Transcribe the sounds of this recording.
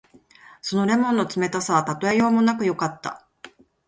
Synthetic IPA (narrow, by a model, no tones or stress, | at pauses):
so̞no̞ɾe̞mõ̞nːo̞t͡sɨme̞t̪asaβat̪at̪o̞ejo̞ːmo̞nakɯ̟jo̞kat̪ːa̰